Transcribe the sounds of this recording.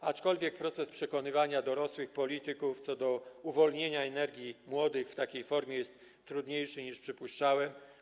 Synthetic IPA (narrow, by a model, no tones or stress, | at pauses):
at͡ʂkɔlvʲjɛk̚pɾɔt̪sɛspʂɛkɔnɘvaɲad̪ɔɾɔswɘxpɔlʲit̪ɘkuft̪sɔd̪ɔuvɔlɲeɲaɛnɛɾɡʲjimwɔd̪ɘxft̪akʲejfɔɾmʲjɛjɛst̪ː | ɾud̪ɲejʂɘɲiʂpʂɘpuʂt͡ʂawɛm